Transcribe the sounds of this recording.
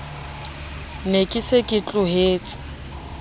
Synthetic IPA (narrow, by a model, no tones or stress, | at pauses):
nekʼisekʼɪt͡ɬʼʊɦeːt͡sʼɪ̥